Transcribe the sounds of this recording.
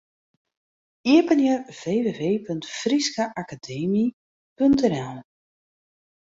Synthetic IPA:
iəpənjərv̥eːveːveːpøntfriskaʔakadeːmi | pøntɛnɛlˠ

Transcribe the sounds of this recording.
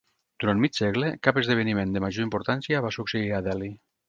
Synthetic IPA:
d̪̥uɾanmit͡ʃsɛɣlekapəzðeβ̞enimẽnd̪əmaʒoimpuɾt̪ansjaβasukseiɾaðɛli

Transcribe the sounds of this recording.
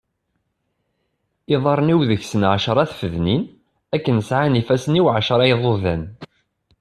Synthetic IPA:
iðˤɑɾˤniwðəçsənʕaʃɾˤɑθfəðnin | ækːənəsʕanifæsəniwʕaʃəɾˤɑjðˤoðæn

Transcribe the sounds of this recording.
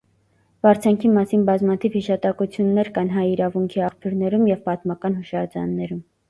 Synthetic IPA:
vɑɾt͡sʰɑŋkʰimɑsinbɑzmɑt̪ʰivhiʃɑt̪ɑkut͡sʰjunːɛɾkɑnɦɑjiɾɑvuŋkʰiɑχpʰjuɾnɛɾumjɛvpɑt̪mɑkɑnhuʃɑɾd͡zɑ̰nːɛɾum

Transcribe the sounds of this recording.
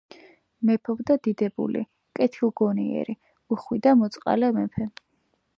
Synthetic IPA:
mɛpʰɔbd̪ad̪id̪ɛbṵlḭ | kʼɛt̪ʰilˠɡɔniɛ̰ɾi | uχwid̪amɔt̪sʼqʼa̰lɛmɛpʰɛ

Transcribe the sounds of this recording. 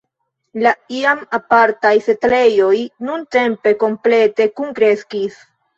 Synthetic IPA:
laiamapaɾtajse̞tle̞jo̞jnunte̞mpe̞ko̞mple̞te̞kuŋkɾe̞skis

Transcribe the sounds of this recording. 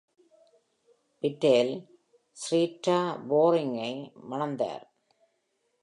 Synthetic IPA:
pɪʈːeːl | sɾiːʈːaːboːɾɪŋɐɪmɐnɐnd̪a̰ːɾ

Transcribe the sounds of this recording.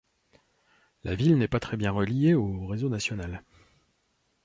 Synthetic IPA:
lavilnɛpat̪χɛbjɛ̃ʁəlijeoʁezonasjɔnal

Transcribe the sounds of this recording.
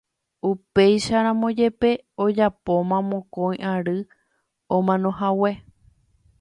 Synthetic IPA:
upe̞jʃaɾ̃ãmõ̞d͡ʒe̞pe̞od͡ʒapo̞mãmõkõj̃ʔaɾɨ | õmãnõ̞ɦawe̞

